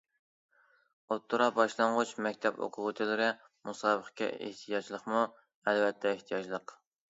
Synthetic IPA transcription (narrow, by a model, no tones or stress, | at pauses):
ot̪ʰːuɾɑbɑʃlˠɑɴʁʊt͡ʃmɛkʲt̪ʰɛbo̰qʰʊʁət̪ʰɨlɪɾɪ | musɑːbəχɪ̥kʲɛ̰ḛht̪ʰijɑd͡ʒlˠəqmu | ɛlvɛt̪ʰːɛeht̪ʰijɑd͡ʒlˠəq